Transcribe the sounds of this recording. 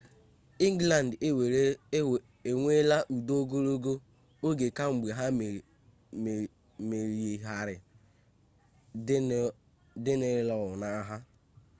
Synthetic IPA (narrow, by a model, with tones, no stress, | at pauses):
i˦ŋ˦ɡla˨n̩˨dwe˨˦˨ | e˨ŋʷe˦la˦ʔu˨do˦ɡo˦ɾo˦ɡo˦ | o˦ɡe˨ka˦ŋ͡m̩˨ɡ͡be˨ɦa˦˨ | me˨ɾi˨e˨ɦa˨ɾɪ˨˦ | dɪ˦nɪ˨˦lɔ˨ʊ˨na˦ɦa˦